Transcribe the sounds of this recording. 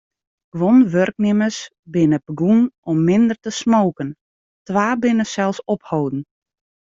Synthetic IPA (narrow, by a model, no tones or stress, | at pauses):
ɡ̥ʋonʋørk̚nɪməs | bɪnəpbəɡunɔmːɪndərtəsmoːkən | tʋaːbɪnəsɛlˠsɔphowdn̩